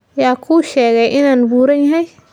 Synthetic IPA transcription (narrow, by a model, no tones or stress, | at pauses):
jaːkʰuːʃɛːɣɛjʔɪnaːnbuːɾɐnjɐɦɛj